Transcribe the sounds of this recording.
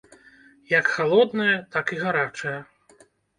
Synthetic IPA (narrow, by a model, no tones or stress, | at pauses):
jɐkxalˠɔd̪nɐjɐt̪akiɣaɾat͡ʂɐjɐ